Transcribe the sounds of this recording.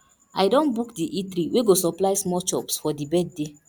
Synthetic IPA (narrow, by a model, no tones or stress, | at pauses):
ajdɔ̃nbukdiʔitɾiwʔeɡosɔplaɪsmɔt͡ʃɔpsfɔdibɛd̚ːe